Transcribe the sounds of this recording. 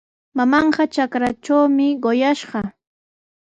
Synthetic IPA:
mamɑɴɢɑt͡ʃakɾat͡ʃawmɪɢojaʃɢɑ

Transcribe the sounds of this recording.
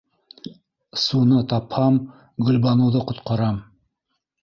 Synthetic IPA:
sunɤt̪ɑphɑm | ɡɵ̆lbɑnɤ̆wðɤqŏt̪qɑɾɑm

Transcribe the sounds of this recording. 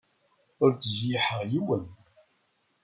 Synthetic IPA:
ʊɾt͡sʒiħəʁjuwən

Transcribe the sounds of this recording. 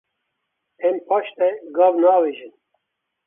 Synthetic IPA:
ɛmpʰɑːʃt̪ɛɡɑːvnɑːweːʒɨn

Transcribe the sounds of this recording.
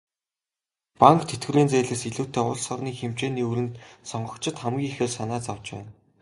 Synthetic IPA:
paŋkt̪ʰet̪̚ɡɘ̆rɾiːnt͡sæːɮeːsiɮuːwʰt̪eːʊɮsɔrniːxemt͡ɕeːniːuɾɘ̆nt̪sɔɴɢɞ̆kt͡ɕʰɪ̆t̪χæmɡʲiːxɘ̆ːɮsanaːt͡sawt͡ɕpæ̰ːn

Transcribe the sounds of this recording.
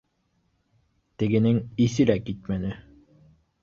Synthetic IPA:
t̪ɘ̆ɡɘ̆nɘŋisɘlækit̪̚mænɘ

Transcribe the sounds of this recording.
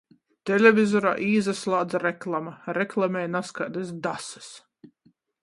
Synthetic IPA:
t̪ɛlʲevʲizɔɾa̰ːʔiːzaslˠaːd̪zaɾɛklˠamaɾɛklˠamʲɛːjnaskad̪ɛsd̪asɨ̥s

